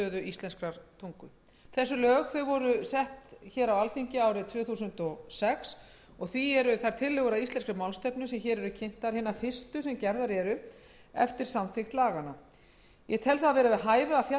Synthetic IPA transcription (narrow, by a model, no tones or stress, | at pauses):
œːðʏist̪lɛnskɾaɾ̥t̪ʰuŋkʏ | θɛsːʏlœːɣθœɥvɔɾʏsɛht̪çɛːɾawalθiɲcɪaːwɾɪt̪ʰvœːθuːsʏnt̪ɔɣsɛks | ɔɣθiɛɾʏθaɾ̥t̪ʰɪlːʏɣʏɾaist̪lɛnskɾɪmawlst̪ɛpnʏsɛmçɛːɾɛɾʏcʰen̥t̪aɾ̥hɪːnafɪst̪ʏsɛmcɛɾðaɾɛɾʏ | ɛ̰ft̪ɪɾ̥samθɪxt̪laːɣana | jɛt̪ʰɛlθaavɛːɾavɪðɦaːjvʏafja